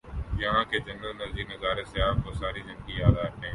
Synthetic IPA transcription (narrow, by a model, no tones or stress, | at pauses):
jɐɦãːkeːd͡ʒɐnəlnɐziːɾnɪɡaːɾesɪjaːfkoːsaːɾid͡ʒɐŋɡijaːd̪aːəʈẽː